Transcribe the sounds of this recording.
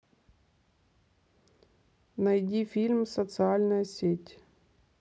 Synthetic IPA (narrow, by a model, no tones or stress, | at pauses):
nɐjdʲifʲilʲmsət̪sɨalʲnəjəsʲetʲ